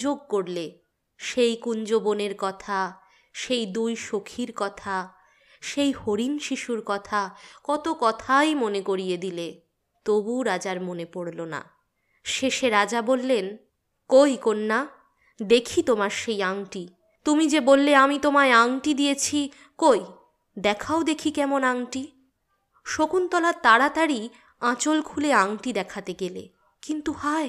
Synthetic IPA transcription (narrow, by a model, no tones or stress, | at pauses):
d͡ʑoɡ̚koɽle | ʃejkuɲd͡ʑoboneɾkɔt̪ʰa | ʃejd̪ujʃokʰiɾkɔt̪ʰa | ʃejhoɾinʃiʃuɾkɔt̪ʰakɔt̪okɔt̪ʰajmonekoɾijed̪ile | t̪obuɾad͡ʑaɾmonepoɽlona̰ | ʃeʃeɾad͡ʑabolːen | kojkonːa | d̪ekʰit̪omaɾʃejaŋʈi | t̪umid͡ʑebolːeamit̪omaeaŋʈid̪ijet͡ɕʰi | koj | d̪ɛkʰaod̪ekʰikɛmonaŋʈi | ʃokunt̪ɔlat̪aɽat̪aɾi | ãt͡ɕolkʰuleaŋʈid̪ɛkʰat̪eɡelḛ | kint̪uhae